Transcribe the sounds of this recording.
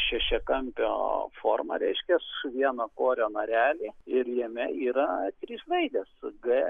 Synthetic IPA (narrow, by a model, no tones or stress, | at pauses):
ʃʲɛʃʲɛkɐmʲpʲo̰ːfoːrmɐ̰ɾʲɛɪʃʲkʲɛsʋʲiɛnɐkoːɾʲoːnɐɾʲæːlʲiːɪɾjimʲɛiːɾɐt̪ʲɾʲiːslˠɐɪd̪ʲɛsɡɐ